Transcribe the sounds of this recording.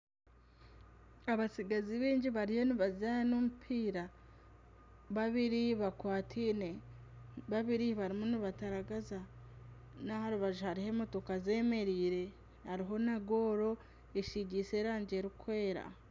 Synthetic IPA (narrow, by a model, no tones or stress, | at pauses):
aβasiɡaziβiːɲɟiβaɾijo̞niβazajanomupʰiːɾa | βaβiɾiβakwaːtʰine | βaβiɾiβaɾimuniβataɾaɡaza | nahaɾuβaʒuhaɾihe̞moto̞kaze̞ːme̞ɾiːɾe̞ | haɾiɦo̞naɡo̞ːɾo̞ | eʃiɟise̞ɾaːɲɟe̞ɾikwe̞ːɾa̰